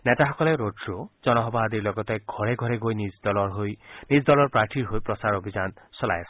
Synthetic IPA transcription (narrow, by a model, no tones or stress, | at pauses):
net̪aɦɔkɔleɾodɾod͡ʒɔnɔɦɔbaɦd̪iɾlɔɡɔt̪eɡʱɔɾeɡʱɔɾeɡojnid͡ʒd̪ɔlɔɾɦojnisd̪ɔlɔɾpɾaʈʰiɾɦojpɾɔsaɾobʱid͡ʒansɔla̰jasɔ